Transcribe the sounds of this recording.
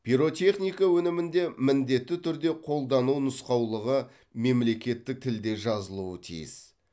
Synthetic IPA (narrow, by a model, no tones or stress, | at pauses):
piɾo̞t̪ʲʰe̞χnijkawɵnɪmɪnd̪e̞mɪnd̪e̞t̪ːɪt̪ʰʏɾd̪e̞qʰo̞lˠd̪ɑnuwnəsqɑwlˠəʁə | me̞mle̞kʲe̞t̪ːɪk̚t̪ʰɪld̪e̞ʒɑzəlˠuət̪ʰḭjɪ̰s